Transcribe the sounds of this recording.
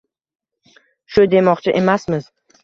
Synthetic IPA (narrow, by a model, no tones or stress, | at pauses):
ʃʊd̪e̞mɒqt͡ʃʰɪʔe̞masmɪz̥